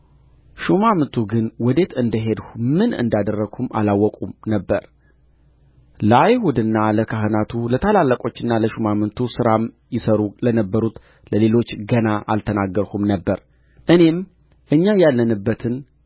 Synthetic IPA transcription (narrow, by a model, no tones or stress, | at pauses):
ʃumamɨnt̪ʰuɡɨnwɔd̪e̞t̪ɨnd̪əɦe̞d̪humɨnɨ̰nd̪ad̪ərːəɡhuma̰lawːɔkʼumnəbːəɾ | ləajhud̪ɨnːaləkʰaɦɨnat̪ʰulət̪ʰalalːəkʼo̞t͡ʃːɨnːaləʃumamɨnt̪ʰusɨɾam | jɪsəɾulənəbːəɾut̪ | ləle̞lo̞t͡ʃːɡənaʔa̰lt̪ʰənaɡːəɾhumnəbːəɾ | ʔɨne̞m | ʔɨɲːajalːənɨbːət̪ʰɨn